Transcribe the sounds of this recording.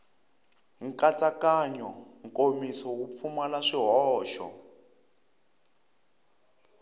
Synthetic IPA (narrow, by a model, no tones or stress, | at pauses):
ŋ̩kat͡sʼakaɲɔŋkʼomisɔwup̪fumalaʂiɦɔːʃɔ̰